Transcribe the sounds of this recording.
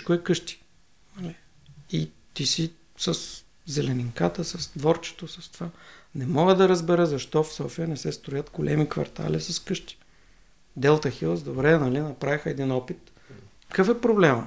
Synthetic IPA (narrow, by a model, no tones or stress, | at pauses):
kʊɛkɤʃt̪i̥ | nɐli | i | t̪isi | səs | zɛlɛniŋkat̪əsəst̪vɔɾt͡ʃɛ̥t̪osɐst̪ovanɛmɔɡəd̪ɐɾəzbɛɾəzɐʃt̪ɔfsɔfijənɛsɛst̪ɾojət̪ɡolʔɛmikvɐ̰ɾt̪ʰa̰lisɐskɤʃt̪i̥ | d̪ɛlˠt̪əxilˠzd̪obɾɛnɐlinɐpɾavixəɛd̪inɔpit̪ | kəfɛpɾoblɛmə̰